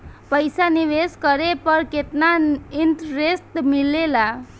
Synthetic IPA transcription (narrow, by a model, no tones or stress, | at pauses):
pʌjsaniweskʌɾepʌrket̪nainʈɾest̪milela